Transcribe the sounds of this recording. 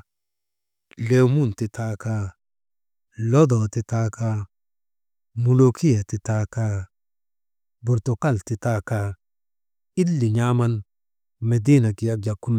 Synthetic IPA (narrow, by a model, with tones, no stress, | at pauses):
le˨mu˦˨ntɪ˨ta˦ka˦ | lɔ˦d̪ɔ˨tɪ˦ta˦ka˦ | mu˨loki˦ja˨tɪ˨ta˦ka˦ | bu˨ɾt̪ʊ˨ka˦˨ltɪ˨ta˦ka˦ | ɪ˦lːɪ˨ɲa˦ma˦n | mɛ˨d̪i˦na˨kɪ˨ja˦k̚d͡ʒa˨kːu˦n